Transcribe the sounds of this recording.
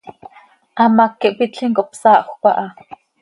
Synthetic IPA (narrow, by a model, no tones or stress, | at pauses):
ʔɑmɑkːiʔpit͡ɬiŋkoʔpsɑːʔxʷpɑʔɑ